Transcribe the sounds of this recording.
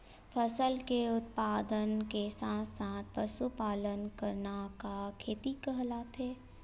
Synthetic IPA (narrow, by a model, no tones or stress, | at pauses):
fʰəsəlkeʊt̪̚paːd̪ənkesãːt̪ʰsãːt̪̚ʰpəsupaːlənkəɾnakakʰeːt̪ikəɦlat̪ʰeː